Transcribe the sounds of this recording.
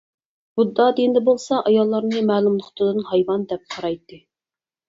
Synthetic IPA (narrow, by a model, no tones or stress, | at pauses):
bud̪ːɑd̪ind̪ɛbolˠsɑʔɑjɑlˠːɑɾnɨmæːlumlˠəχt̪ʰɨd̪ɨnhɑjwɑnd̪ɛp̚qʰɑɾɑjt̪ːɨ